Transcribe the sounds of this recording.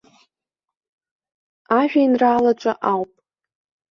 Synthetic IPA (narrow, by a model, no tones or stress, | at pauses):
aʒᶣainraːlaʈ͡ʂʷʼa̰ʔawpʼ